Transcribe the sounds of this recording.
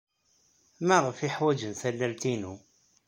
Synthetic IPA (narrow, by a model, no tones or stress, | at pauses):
mæʁəfiħwæd͡ʒənθælːælt̪inu